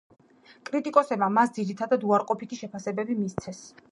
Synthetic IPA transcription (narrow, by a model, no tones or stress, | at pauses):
kʼɾit̪ʼikʼɔsɛbmamasd̪ziɾit̪ʰad̪ad̪uaɾqʼɔpʰit̪ʰiʃɛpʰasɛbɛbimist̪sʰɛs